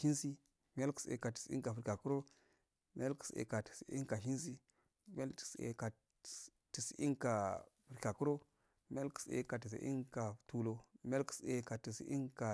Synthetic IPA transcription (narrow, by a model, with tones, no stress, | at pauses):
ʃi˦nsi˦ | mi˦ja˦lki̥˨sḛ˨ka˨ti̥˨sḭ˦ŋka˨fi˨ɾka˨ku˦ɾo˦ | mi˦a˦lki̥˨sḛ˨ka˨ti̥˨sḭ˦ŋka˨ʃi˦ns̬i˦ | mi˦a˦lti̥˨sḛ˨ka˨ | ti˨si˨ʔi˦ŋka˨fi˨ɾka˨ku˦ɾo˦ | mi˦a˦lki̥˨sḛ˨ka˨ti˨s̬ḭ˨˦ḭ˦ŋka˨tu˨lo˨mi˦a˦lki̥˦se˨ka˨ti˨sḭ˦i˦ŋka˨